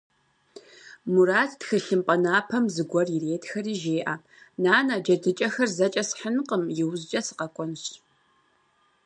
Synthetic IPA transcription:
muɾaːttxɨɬɨmpʼɐnaːpʰɐmzɨɡʷɔrjɪreːtʰxɐriːʒeːʔaː | naːnɐd͡ʒɐdɨt͡ʃʼɐxɐrzɐt͡ʃʼɐsħənqəmjɪwzt͡ʃʼɐsɨ̥qɐkʷʼɔnɕ

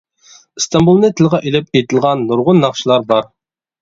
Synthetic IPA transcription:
ɨst̪ɑmbulˠnɨt̪ʰɪlˠʁɑʔilɪp̚ejt̪ʰɪlˠʁɑnːuɾʁʊnːɑχʃilˠɑɾbɑɾ

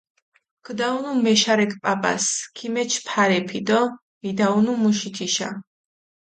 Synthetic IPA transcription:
kʰd̪aunumɛʃaɾɛkʰʼpʼapʼa̰skʰimɛt͡ʃʰpʰaɾɛpʰid̪ɔ | mid̪aunumuʃit̪ʰiʃa̰

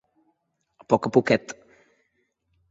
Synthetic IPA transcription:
pɔkɐpukɛt̪

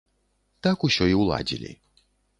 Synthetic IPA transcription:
t̪akusʲɔiwlˠa̰d͡zʲḭlʲḭ

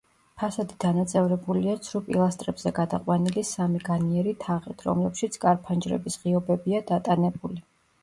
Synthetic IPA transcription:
pʰasad̪id̪̥anat̪sʼɛvɾɛbuliat̪sʰɾupʼḭlˠast̪ʼɾɛbz̥ɛɡad̪aqʼwanilisamiɡaniɛɾit̪ʰaʁḭt̪ʰɾɔ̰mlɛpʃit̪sʰkʼaɾpʰand͡ʒɾɛ̰bisʁiɔbɛbiad̪at̪ʼanɛbuli

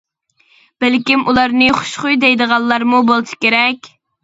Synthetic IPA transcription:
b̥ælkʲimʔulˠɑɾnɨχʊ̥ʃχujd̪ɛjd̪əʁɑlˠlːˠɑɾmubolˠʃi̥kʲeɾɛkʲ

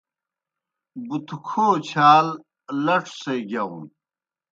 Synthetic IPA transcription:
but̪ʰukʰoːt͡ɕʰaːl | lɐʈ͡ʂʰsejɡɐṵ̃n

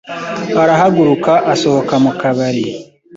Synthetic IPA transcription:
aɾaɦaɡuɾukaʔaso̞ho̞kamukaβaɾi

